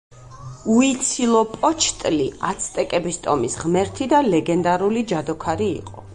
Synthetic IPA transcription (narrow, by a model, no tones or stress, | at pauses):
uit̪sʰilˠɔpʼɔt͡ʃʰt̪ʼliat̪sʰt̪ʼɛkʼɛbist̪ʼɔmisʁmɛɾt̪ʰid̪alɛɡɛnd̪aɾulid͡ʒad̪ɔkʰaɾḭːqʼɔ̰